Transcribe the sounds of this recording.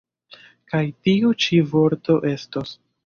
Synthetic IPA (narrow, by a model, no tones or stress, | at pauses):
kajtiut͡ʃivo̞ɾto̞ʔe̞stos